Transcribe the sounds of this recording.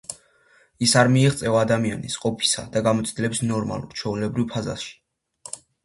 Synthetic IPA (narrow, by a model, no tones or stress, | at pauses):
isaɾmiɛʁt̪sʼɛvad̪amianisqʼɔpʰi̥sa̰d̪aɡamɔt̪sʰd̪ilɛbisnɔɾma̰lˠṵɾt͡ʃʰɛulɛbɾivpʰaza̰sʃi̥